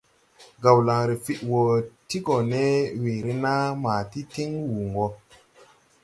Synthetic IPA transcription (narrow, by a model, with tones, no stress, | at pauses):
ɡa˨wla˨ŋɾe˨fi˨ʔwo˨ti˦ɡo˨ne˦we˨ɾe˦na˦ma˨ti˦ti˦ŋwu˨ŋɡo˦